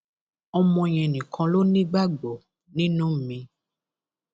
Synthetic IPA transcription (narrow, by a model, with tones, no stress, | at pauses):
ɔ˧mɔ̃˧j̃ɛ̃˨nĩ˨kʰɔ̃˧lo˦nĩ˦ɡ͡ba˦ɡ͡bɔ˨ | nĩ˦nũ˦m̩˨mĩ˧